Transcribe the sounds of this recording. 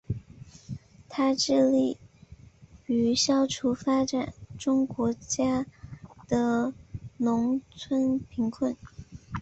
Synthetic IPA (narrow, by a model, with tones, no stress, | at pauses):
t̪ʰa˥ʈ͡ʂɻ̩˥˧li˥˩ | y˧˥ɕjɑ˥ʊʈ͡ʂʰu˧˥fa˥ʈ͡ʂa˨˩nʈ͡ʂʊ˥ŋkwɔ˧˥t͡ɕja˥d̪̥ə˨nʊ˧˥ŋt͡sʰwə˥npʰi˧˥ŋkʰwə˥˩n